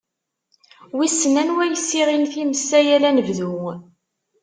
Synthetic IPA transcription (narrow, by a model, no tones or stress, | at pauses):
wisːənænwæjəsːiʁinθiməsːæjælænəvðuŋ